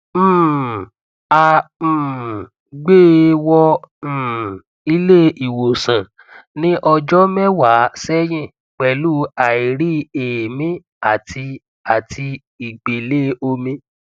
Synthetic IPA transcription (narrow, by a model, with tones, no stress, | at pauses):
ã˧˨ | ɡ͡be˦˨wɔ̃˧˦˨ | i˧le˦i˨wo˨sã˨ | nĩ˦ʔɔ˧d͡ʒɔ˦mɛ˦wa˨˦sɛ˦j̃ĩ˦˨ | k͡pɛ˨lu˦a˨i˨ɾi˦e˨mĩ˦ | a˦˨ti˧ | a˨ti˧ | i˨ɡ͡be˨le˦o˧mĩ˧